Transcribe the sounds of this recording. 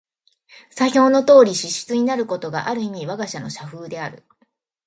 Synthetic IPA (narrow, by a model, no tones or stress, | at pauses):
saçʲo̞ːno̞t̪o̞ːɾʲiɕiɕi̥t͡sɨɲ̟inaɾɯ̟ko̞t̪o̞ɡa̰ʔaɾɯ̟im̟ʲiβaɡaɕano̞ɕaɸɯːd̪e̞aɾɯ̟